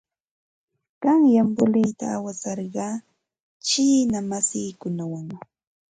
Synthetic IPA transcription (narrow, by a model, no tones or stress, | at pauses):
ɢ̥ɑŋjambʊlɪjt̪a̰ːwasɑɾɢɑː | t͡ʃiːnamasɪːkʊnawaŋ